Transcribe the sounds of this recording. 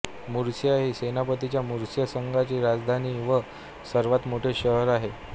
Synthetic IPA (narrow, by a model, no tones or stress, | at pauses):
muɾsjaɦisenapət̪it͡ɕjamuɾsjəsəŋɡat͡ɕiːɾad͡zd̪ʱaniːʋə | səɾʋat̪moʈʰeɕəɦəɾaɦe